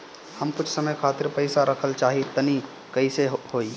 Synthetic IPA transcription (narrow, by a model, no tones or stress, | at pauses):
həmkʊt͡ʃʰsəməjkʰaːt̪ɪɾpəɪsaɾəkʰəlt͡ʃaːɦit̪ɐni | kəɪseɦhoːiː